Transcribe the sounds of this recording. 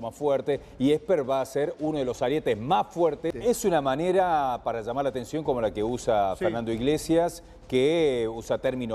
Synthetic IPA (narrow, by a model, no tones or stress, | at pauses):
masfwɛɾt̪e | iehpeɾβaːseɾunoð̞elo̞saɾjet̪ezmasfwɛɾt̪eesunamaneɾapaɾaʒamaɾlat̪e̞nsjo̞ŋko̞mo̞lakeusafeɾnand̪oiɣlesjas | keusat̪ɛɾmĩno